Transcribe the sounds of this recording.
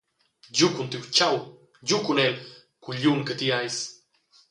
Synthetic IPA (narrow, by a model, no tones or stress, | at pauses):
jukunt̪iwt͡ʃaw | jukunel | kuʎuŋkət̪iajs